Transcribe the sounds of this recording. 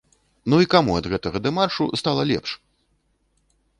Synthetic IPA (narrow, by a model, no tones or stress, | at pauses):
nuikamuɐd̪ɣɛt̪ɐɣɐd̪ɐmarʂust̪alˠɐlʲɛ̰pʂ